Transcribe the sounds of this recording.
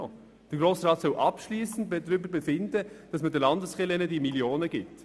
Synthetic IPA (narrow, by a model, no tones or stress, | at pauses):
d̥əɾɡɾoːsɾɑːt̪sœlʔɑpʃliːsən̩tbɛdɾʏbəɾbɛfɪndəd̥ɑsmədəlɑndəsχɪlɪnədimiljoːnəɡ̥ɪt